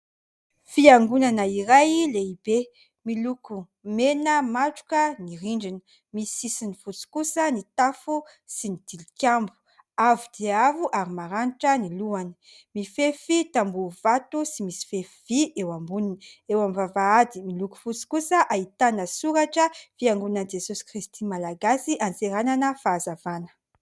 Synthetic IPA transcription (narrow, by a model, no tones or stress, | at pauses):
fiaŋɡunanəiɾajleibe | miluku | menəmaʈ͡ʂu̥kəniɾiɳɖ͡ʐinə | misisinifut͡si̥kusənit̪afu | sinid̪̥ilikʲambu̥ | avud̪̥eavuʔaɾimaɾaniʈ͡ʂəniluanə | mifefit̪ambuv̥at̪usimisi̥fefiviewambuninewamivavaad̪imiluku̥fut͡si̥kusəʔait̪anəsuɾaʈ͡ʂəfiaŋɡunand͡ʒesusi̥kɾist̪imalaɡasiʔant͡seɾananəfaːzavanə̥